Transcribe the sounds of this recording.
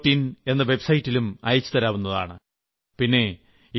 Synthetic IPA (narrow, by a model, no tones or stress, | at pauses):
tːine̞nːɐʋe̞bsɐjtːilumɐ̰jɐt͡ɕːu̥t̪ɐɾaːʋunːɐða̰ːɳɨ | pinːe̞ | i